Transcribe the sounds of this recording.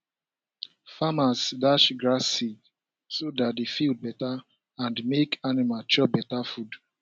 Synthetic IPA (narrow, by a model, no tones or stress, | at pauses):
famasdaʃɡɹasid | sodat̚defild̚bɛta | ãndmekʰanimat͡ʃɔbɛtafud